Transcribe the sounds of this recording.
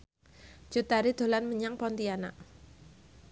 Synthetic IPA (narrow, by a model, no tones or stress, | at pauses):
d͡ʒ̥ṳt̪aɾid̪̥o̤lanməɲaŋpɔnt̪iana̰ʔ